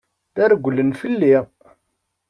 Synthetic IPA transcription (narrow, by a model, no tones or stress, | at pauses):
ðæɾɡʷəlːənfəlːiʁ